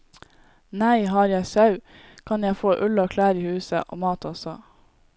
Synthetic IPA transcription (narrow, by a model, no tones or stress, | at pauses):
næɪɦɑːɾjæɪsɑʉ | kʰɑnjæɪfoːʔʉləoːkʰlæːɾiːhʉːsə̰ʔo̰ːmɑːt̪ʰɔsɔ